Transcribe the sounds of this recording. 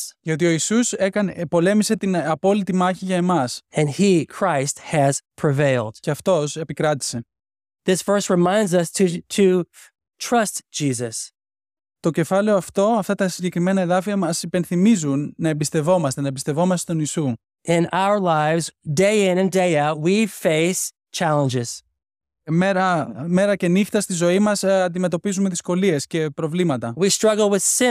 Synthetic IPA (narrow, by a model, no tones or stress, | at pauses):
ʝɐot̪io̞isusekɐnpo̞le̞mise̞t̪inɐpo̞lit̪imɐçiʝɐemɐsɨ̃nikʰɹ̥aɪst̚hɨz̥pʰɹ̥ɨveɪlˠd̥ce̞ɐft̪o̞se̞pikɾɐt̪i̥se̞ | ðɪsfɜ˞st̚ɹɨmãɪ̃ndzʌstʰɾʰɨ | tʰɹ̥ʌstd̥ʒ̥izɨs | t̪o̞ce̞fɐleo̞ɐft̪o̞ɐft̪ɐt̪ɐsiɲɟe̞kɾime̞nɐeðɐfiɐmɐsipe̞nθimizunːɐebist̪e̞vo̞mɐst̪e̞nɐebist̪e̞vo̞mɐst̪et̪o̞nisu | ʔɪ̃naʊə˞laɪvzdeɪɪ̃nɨ̃ndeɪaʊt̚wifeɪs | t͡ʃʰælˠə̃nd͡ʒɪz̥ | meɾɐme̞ɾɐce̞nixt̪ɐst̪izo̞imɐsɐnd̪ime̞t̪o̞pizume̞ðisko̞lie̞sce̞pɾovlimɐt̪ɐwistɹ̥ʌɡl̩ˠwɨð̥sɪ̃